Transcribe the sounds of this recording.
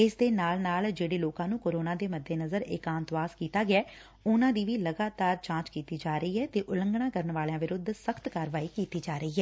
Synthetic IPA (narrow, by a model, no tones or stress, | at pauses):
ɪsd̪eːnaːlnaːld͡ʒeːɽeːloːkãːnũːkoːɾoːnãːd̪eːməd̪ʱːeːnəzəɾɪ̰kãːnt̪ʋaːskiːt̪aːɡɪaː | ʊnãːd̪iːʋiːləɡaːt̪aːɾt͡ʃãːt͡ʃkiːt̪iːd͡ʒaːɾəiːɛːt̪eːʔʊlə̃ŋɡɳaːkəɾəɳʋaːleãːʋɪɾʊd̪ʱsəkʰt̪kaːɾʋaːiːkiːt̪iːd͡ʒaːɾəiːɦɛː